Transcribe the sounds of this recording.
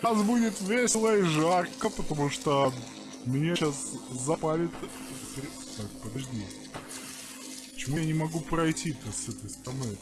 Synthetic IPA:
ks̬budʲɪt̪vʲesʲɪlˠəiʐarkəpət̪ɐmuʂt̪o | mʲɪnʲaɕaszɐpalʲɪt̪ | pɾʲɪ | t̪ak̚pəd̪ɐʐdʲi | pə̥t͡ɕɪmujanʲɪmɐɡupɾɐjtʲit̪əsɛt̪əjst̪əɾɐnoj

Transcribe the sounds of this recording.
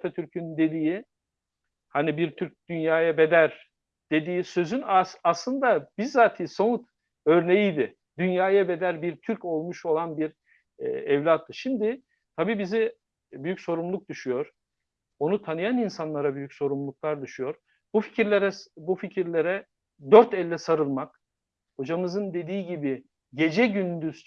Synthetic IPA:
t̪ʰɛt̪ʰyɾcʰynynd̪e̞d̪iːi | hanibiɾt̪ʰyɾc̚d̪̥ynjaːjabe̞d̪æɾ | d̪̥e̞d̪iːsø̞zynaaslˠɯnd̪abizːaːt̪ʰiːso̞nut̪ | ø̞ɾne̞jijd̪ɪ | d̪ynjaːjabe̞d̪æɾbiɾt̪ʰyɾco̞lˠmuʃo̞lˠanbiɾ̰ | ɛvlʲat̪ʰːɯʃimd̪ɪ | t̪ʰabiːbizɪ | byjycso̞ɾumlˠuk̚d̪yʃyjo̞ɾ̥ | o̞nut̪ʰanɯjaninsanlˠaɾabyjycso̞ɾumlˠuk̚lˠaɾd̪uʃujo̞ɾ | bufi̥cʰiɾlʲeɾɛbuficʰiɾlʲe̞ɾɛ | d̪øɾt̪ɛlʲːɛsaɾɯlˠmak | ho̞d͡ʒamɯzɯnd̪e̞d̪iːɟibi | ɟe̞d͡ʒɛɟynd̪yz̥

